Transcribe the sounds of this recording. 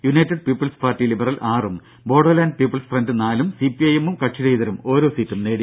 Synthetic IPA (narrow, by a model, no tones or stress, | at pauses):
junɐjtːɐɖ̚piːpːɐlspaːrtːilibɐrɐlʔaːrum | bo̞ːɖɐlaːndpiːpːɐlsfrɐndɨnaːlumsipːiɐjemumkɐʂiðɐjðɐɾumo̞ːɾo̞ːsiːtːumneːɽi